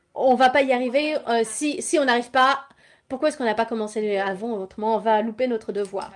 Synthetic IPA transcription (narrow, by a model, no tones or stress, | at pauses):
ɔ̃vapaiaʁiveøsisiɔ̃naʁivpa | puʁkwaɛskɔ̃napakɔmɑ̃seavɑ̃ot̪χəmɑ̃ɔ̃valupenɔt̪χəd̪əvwa̰ːʁ